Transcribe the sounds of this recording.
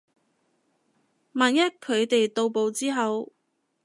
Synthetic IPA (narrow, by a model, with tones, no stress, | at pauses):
maː˨˩njɐ˥t̚kʰːɵ˨˧ɥt̪e˨jt̪o˧wpo˨˧wt͡siː˥ɦɐ˨˧w